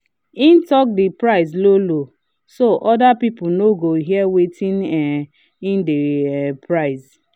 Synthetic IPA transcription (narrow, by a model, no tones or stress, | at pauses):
in̩tɔk̚dɪpɹaɪzlolo | soʔɔdapipʊnoɡoɦiɛwetʰĩnɛ | indepʰɹaɪz